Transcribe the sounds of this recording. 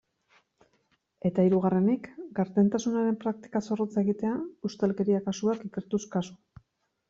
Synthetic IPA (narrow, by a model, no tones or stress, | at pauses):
e̞t̪aiɾuɣ̞are̞nikɡaɾt̪e̞nt̪asunaɾe̞mpɾak̚t̪i̥kaso̞rot͡saeɣit̪e̞aust̪elke̞ɾiakasuakike̞ɾt̪uskasu̥